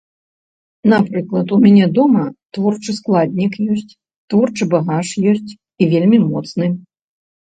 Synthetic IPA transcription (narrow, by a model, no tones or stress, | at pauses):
nɐpɾɨklˠɐt̪umʲanʲɛd̪ɔmɐt̪vɔrt͡ʂɨsklˠadʲnʲikjɔsʲt͡sʲ | t̪vɔrt͡ʂɨbaɣaʂjɔsʲt͡sʲ | ivʲelʲmʲimɔt̪snɨ